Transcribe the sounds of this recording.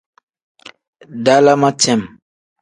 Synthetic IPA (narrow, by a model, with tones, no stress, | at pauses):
da˦la˦ma˦tɛ˦˨m